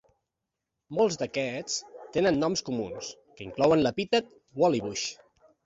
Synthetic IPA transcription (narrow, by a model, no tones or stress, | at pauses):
molˠzd̪əkɛt͡st̪enənːɔmskumunskəiŋklɔwənləpit̪ət̪̚ | wɔliβuʃ